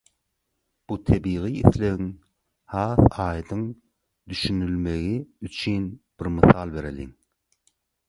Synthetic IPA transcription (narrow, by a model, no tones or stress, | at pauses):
b̥ut̪ʰebiːɣiiθleɣiŋ | hɑːθɑːjd̪ɯŋ | d̪yʃynylme̞ɣiyt͡ʃʰynb̥iɾmɯθɑːlˠbe̞ɾelḭŋ